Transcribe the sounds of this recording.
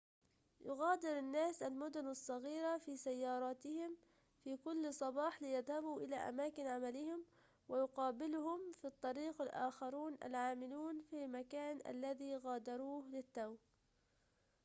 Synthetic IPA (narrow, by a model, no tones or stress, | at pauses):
jʊɣaːd̪ɪɾɪnːaːsalmʊd̪ʊnɑsˤːɑɣiːɾafiːsajːɑːɾˤɑːt̪ɪhɪm | fiːkʊlːsˤɑbɑːħlɪjaðhabuːʔɪla̰ʔa̰maːkɪnʕamalɪhɪm | wɪjʊqɑːbɪlʊhʊmfit̪ˤːɑɾiːqɪlʔa̰ːxɑɾˤuːnʔa̰lʕaːmɪluːnfiːmakaːnʔa̰lːaðiɣaːd̪ɑɾˤuːhlɪt̪ːaw